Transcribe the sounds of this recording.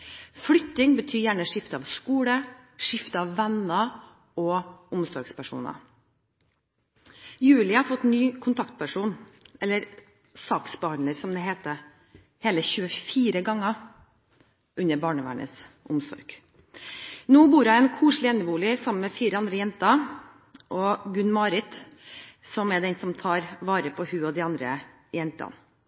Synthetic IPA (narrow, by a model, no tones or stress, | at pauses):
flʏt̪ːɪŋbət̪ʰyːɾjæːɳəʂɪft̪əɑʋskuːləʂɪft̪əɑʋːɛnɑ | ɔʊmsɔɾɡspæʂṵːnɑ̰ | jʉːlɪɑɾfɔt̪ːnyːkʰʊnt̪ʰɑkt̪̚pʰæʂuːnɛlːəɾ | sɑːksbəhɑnləɾsɔmd̪ɛɦeːt̪ə | heːləçʉːəfiːɾəɡɑŋːɑ | ʔʉnːəɾbɑːɳəʋæ̰ːɳə̰s | ʔʊmsɔ̰ɾɡ̥ | noːbuːɾɑɛːnkʰuːʂɭɪɛnəʋuːlɪəsɑmənmɛfiːɾəɑnd̪ɾəjɛnt̪ɑ | ʔɔɡʉnmɑːɾɪt̪ | sɔmɛd̪ɛnsɔmt̪ʰɑːɾʋɑːɾəpʰɔhʉːɔd̪ɪɑnd̪ɾə̰ | jɛnt̪ɑ̰n